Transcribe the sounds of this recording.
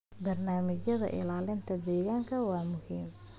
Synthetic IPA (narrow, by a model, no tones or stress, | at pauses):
bɐrnaːmɪt͡ʃjɐðɐ̰ʔɪ̰laːlɪnt̪ʰɐd̪ɛːɣaːŋkʰɐwɑːmʊhiːm